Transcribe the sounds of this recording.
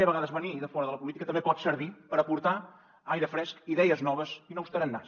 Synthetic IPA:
əβəɣaðəzβəniðəfɔɾəðələpulit̪ikət̪əmbepɔt̪səɾβipəɾəpuɾt̪a | ajɾəfɾɛskiðɛjəznɔβəzinowst̪əɾənːa̰s

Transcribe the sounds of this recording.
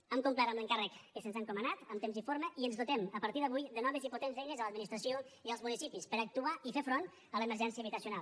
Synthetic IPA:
əmkumplaɾəmləŋkarəkːəsənzaŋkumənat̪əmt̪emzifoɾməʔiənzðut̪ɛməpəɾt̪iðəβujðənɔβeziput̪enzðejʎəzələd̪minist̪ɾəsioiəlˠzmunisipispəɾək̚t̪uaifefɾon | ələməɾʒɛnsiəβit̪əsiunalˠ

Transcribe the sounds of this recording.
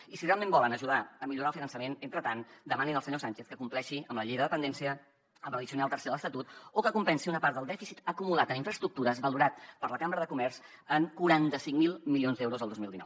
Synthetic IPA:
isirealmẽmbɔlənəʒuðaəmiʎuɾaəlˠfinənsəmenent̪ɾət̪and̪əmaninəlˠsəɲosant͡ʃeθkəkumplɛʃiəmləʎejðəðəpənd̪ɛnsiə | əmbləðisiunalˠt̪ərseðələst̪ət̪ut̪okəkumpɛnsiunəpaɾt̪d̪əlˠd̪ɛfisit̪əkumulat̪əniɱfɾəst̪ɾuk̚t̪uɾəzβəluɾat̪̚pəɾləkambɾəðəkumɛɾz | əŋkuɾant̪əsiŋmilˠmilionzd̪ɛwɾuzəlˠd̪ozmilˠd̪inɔ̰w

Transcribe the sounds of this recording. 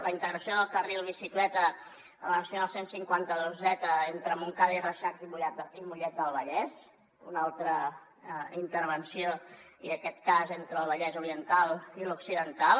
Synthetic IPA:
ləint̪əɣɾəsioðəlˠkərilˠβ̞isiklɛt̪ə | ə̰lənəsjunalˠsensiŋkwant̪əðozɛt̪əent̪ɾəmuŋkaðirəʃakzimuʎɛt̪̚d̪əimuʎɛt̪̚d̪əlˠβəʎɛs | unalˠt̪ɾə | int̪əɾβ̞ənsio | iəkɛt̪̚kazent̪ɾəːlˠβəʎɛzuɾiənt̪alˠiluksiðənt̪al

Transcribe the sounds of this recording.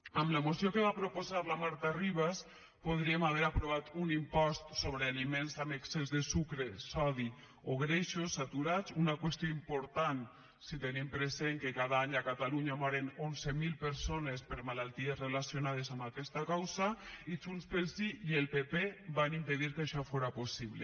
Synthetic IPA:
amlamosiokeβapɾopozaɾlamaɾt̪ariβ̞as | poð̞ɾiemaβ̞eɾapɾoβ̞at̪unimpɔst̪soβɾealimenzameksezðesukɾesɔði | oɣɾeʃosːat̪uɾat͡sunakwest̪joimpoɾt̪an | sit̪enimpɾezeŋkekaðaaɲakat̪aluɲamɔɾenonzemilˠpeɾsonespeɾmalalˠt̪iezrelasjonað̞ezambakɛst̪akawzait͡ʃunspelˠsiielˠpepebanimpeðiɾkaʃɔfoɾaposiβlḛ

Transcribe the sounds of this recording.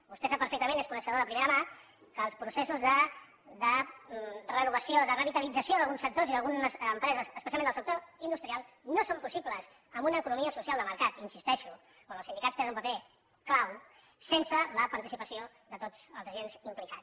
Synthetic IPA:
bust̪esapːəɾfɛk̚t̪əmẽneskunəʃəðoðəpɾimeɾəma | kəːlˠspɾusesuzðə | ðə | rənuβəsioðərəβit̪əlid͡zəsioðəlˠɣunsək̚t̪oziðəlˠɣunəsːmpɾɛzəzːspəsialˠendəlsəkt̪oind̪ust̪ɾialˠnosompusipləz | əmbunəːkunumiəsusialˠd̪əməɾkat̪insist̪ɛʃu | kwanəlˠsind̪ikatt͡st̪enənumpəpe | klaw | sensələpəɾt̪isipəsio | ðət̪od͡zəlˠzəʒenzimplika

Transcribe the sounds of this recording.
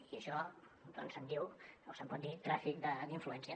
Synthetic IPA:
iəʃɔ | d̪ɔ̰nsənd̪iwosəmpɔt̪̚d̪it̪ɾafik̚d̪əd̪iɱfluɛnsiə

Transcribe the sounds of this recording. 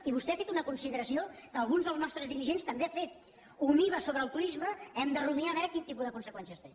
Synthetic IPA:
iβust̪ɛafet̪unəkunsiðəɾəsiokəːlˠɣunzðəlˠznɔst̪ɾəzðiɾiʒenst̪əmbeafet̪̚ | umiβəsoβɾəːlˠt̪uɾizməɛmd̪əruβiaβɛɾəkint̪ipuðəkunsəkwɛnsiəst̪e

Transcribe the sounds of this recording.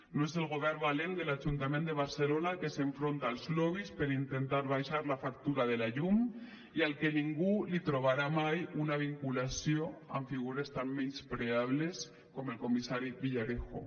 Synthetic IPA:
noezelɣ̞oβ̞ɛɾmbalend̪elaʒunt̪amẽnd̪eβ̞aɾselonakeseɱfɾont̪aːlˠzloβ̞ispeɾint̪ent̪aɾβajʃaɾlafak̚t̪uɾaðelaʎum | ialkeniŋɡulit̪ɾoβ̞aɾamajunaβ̞iŋkulasjoa̰ɱfiɣ̞uɾest̪amːenspɾeaβles | komelkomisaɾiβiʎaɾexo̰

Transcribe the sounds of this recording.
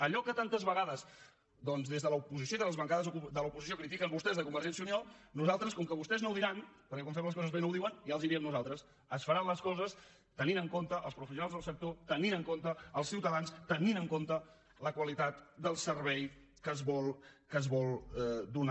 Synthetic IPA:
əʎɔkət̪ant̪əzβəɣaðəz | d̪ɔnzðezðələupuzis̬joiðələzβəŋkaðəzkud̪əlupuzis̬iokɾit̪ikəmβust̪ɛzðəkumbəɾʒɛns̬iuniɔnuzalˠt̪ɾəskɔmkəβust̪ɛznowðiɾanpəɾkɛkɔmɱfɛmləskɔzəzβenowðiwənjaəlˠzðiɾiəmnuzalˠt̪ɾəs | əsfəɾanləskɔzəs | t̪əninəŋkont̪əʔəlˠspɾufəs̬unalˠzðəlˠsək̚t̪ot̪əninəŋkont̪əəlˠsiwt̪əðanst̪əninəŋkont̪ə | ləkwəlit̪at̪d̪əlˠsəɾβɛj | kəzβɔlˠkəzβɔlˠd̪un

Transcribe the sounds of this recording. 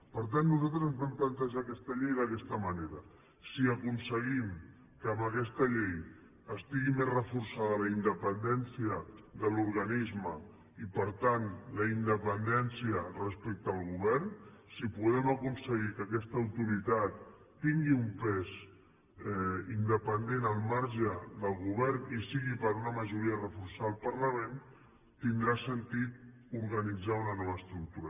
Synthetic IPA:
pəɾt̪anːuzalt̪ɾəzəmβlɛnplənt̪əʒakɛst̪əʎejðəkɛst̪əməneɾə | siəkunsəɣim | kəːməkɛst̪əʎɛej | əst̪iɣimezrəfuɾsaðələind̪əpənd̪ɛnsiəðəluɾɣanizmə | ipəɾt̪anləind̪əpənd̪ɛnsiərəspɛk̚t̪əːlˠɣuβɛɾnsipuðɛməkunsəɣikəkɛst̪əːwt̪uɾit̪at̪ː | iŋɡiumpɛz | ɛind̪əpənd̪enəlˠmaɾʒəðəlˠɣuβɛɾnisiɣipəɾunəməʒuɾiərəfuɾsaəlˠpəɾləmẽn | t̪ind̪ɾasənt̪it̪̚ | uɾɣənid͡zaunənɔβəst̪ɾuk̚t̪uɾə

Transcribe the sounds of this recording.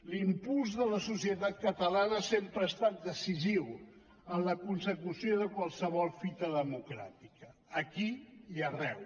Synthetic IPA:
limpulˠzðələsusiət̪at̪̚kət̪əlanəsempɾəːst̪at̪̚d̪əsiziw | ənləkunsəkusijoðəkwalˠsəβ̞ɔlˠfit̪əðəmukɾa̰t̪ikəːkiiərɛw

